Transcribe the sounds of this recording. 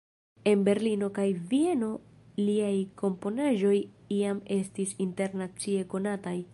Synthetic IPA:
e̞nbe̞ɾlino̞kajvie̞no̞ | liajkʰo̞mpo̞naʒo̞j | iame̞stisinte̞ɾnat͡sie̞ko̞nataj

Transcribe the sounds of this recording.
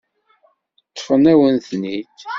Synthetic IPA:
tt̪ːfənæwənθnid̪

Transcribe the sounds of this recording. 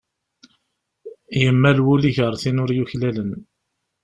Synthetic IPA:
jəmːælwuliʝəɾˤθinʊɾjuçlælən

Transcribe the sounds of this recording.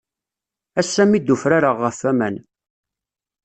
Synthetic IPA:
æsːæmid̪ufɾaɾaʁːəfːæmæn

